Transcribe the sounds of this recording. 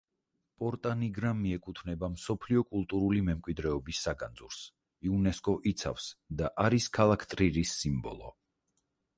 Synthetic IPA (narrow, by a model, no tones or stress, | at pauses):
pʼɔɾt̪ʼaniɡɾamiɛkʼut̪ʰvnɛbamsɔpʰliɔkʼulˠt̪ʼuɾulimɛmkʼwid̪ɾɛɔbisːaɡand̪zuɾs | iunɛskʼɔʔit̪sʰa̰fsd̪aʔaɾiskʰalˠakʰt̪ʼɾiɾisːimbɔ̰lˠɔ̰